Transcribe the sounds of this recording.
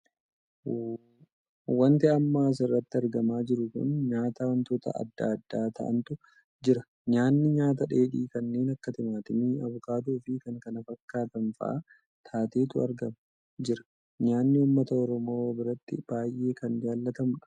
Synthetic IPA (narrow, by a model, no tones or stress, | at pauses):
wɐnt̪ɛɐmːaːs̬ɪrːɐt̪ːɪɐɾɡɐmaːd͡ʒɪɾʊkʊ̰nɲaːt̪aːwɐnt̪o̞ːt̪ɐ̰ɐ̰d̪ːaːɐd̪ːaːt̪ʰɐ̰ʔɐ̰nt̪ʊ | d͡ʒɪɾɐ | ɲaːnːɪɲaːt̪ɐᶑe̞ːᶑiːkɐnːe̞ːnɐkːɐt̪ɪmaːt̪ɪnɪɐβʊkaːt̪̬uːfɪkɐŋkɐnɐfɐkːaːt̪ɐnfɐ̰ʔɐ | t̪ʰaːt̪eːt̪ʊɐ̰ɾɡɐmɐ | d͡ʒɪɾɐ̥ | ɲaːnːɪʊmːɐt̪ɐɔɾɔmo̞ːwbɪɾɐt̪ːɪ̰b̥aːjʔe̞ːkɐnd͡ʒaːlːɐt̪ɐmʊᶑɐ̥